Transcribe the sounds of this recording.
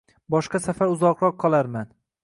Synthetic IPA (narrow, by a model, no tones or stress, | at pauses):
bɒʃqɑsafaɾʊzɒqɾɒqʰːɒlˠaɾman